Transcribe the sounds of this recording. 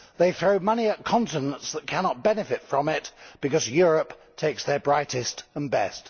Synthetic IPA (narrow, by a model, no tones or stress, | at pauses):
ðeɪθɹoʊmʌniət̚kʰɑ̃ntɨnə̃ntsðət̚kʰænɑt̚b̥ɛnɨfɪtfɹə̃mɪtb̥ɨkʌzjʊɹəp | tʰeɪksðə˞bɹaɪɾɪstə̃nbɛ̰st